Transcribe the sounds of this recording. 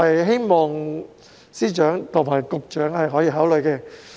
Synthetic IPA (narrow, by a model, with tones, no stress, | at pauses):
ɐ˨jɦe˥jmɔː˨ŋ | siː˥t͡ʃœː˨˥ŋt̪ʰʊ˨˩ŋmaː˨˩jkʊ˨k̚t͡ʃœː˨˥ŋhɐ˨jɦɔː˨˥jiː˧ɦaː˨˥wlɵ˨˧jkɛː˧